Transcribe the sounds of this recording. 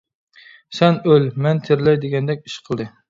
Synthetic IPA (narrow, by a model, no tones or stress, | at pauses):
sɛnølmɛnt̪ʰeɾɪlɛjd̪eɡʲɛnd̪ɛk̚ʲiʃqʰəlˠd̪ɨ